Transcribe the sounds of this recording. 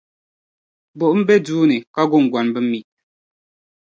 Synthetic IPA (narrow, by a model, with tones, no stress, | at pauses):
bo˨ʔm̩˦be˦duː˦nɨ˨ka˦ɡo˦˨ŋ˨ɡwa˨nbɨ˦mi˨ʔ